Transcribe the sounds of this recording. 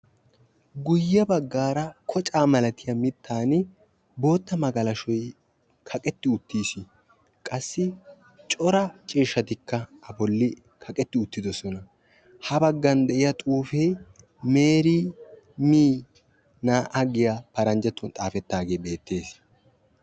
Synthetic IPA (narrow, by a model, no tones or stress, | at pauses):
ɡʊjːɐbɐɡːaːɾɐkʰɔt͡ʃʼaːmɐlɐt̪ɪjɐmɪt̪ːaːn | bo̞ːt̪ːɐmɐɡɐlɐʃɔj | kʰɐkʼɛt̪ːɪʊt̪ːiːsɪ | kʼɐsːɪ | t͡ʃʼɔɾɐt͡ʃʼiːʃːɐt̪ɪkːɐɐbɔlːɪ | kʰɐkʼɛt̪ːɪʊt̪ːɪd̪ɔsɔnɐ | hɐbɐɡːɐnd̪ɛʔɪjɐt̪ʼuːfej | me̞ːɾiː | miː | naːʔɐɡɪjapɐɾɐnd͡ʒɛt̪ːʊnt̪ʼaːfɛt̪ːaːɡe̞ːbe̞ːt̪ːe̞ːs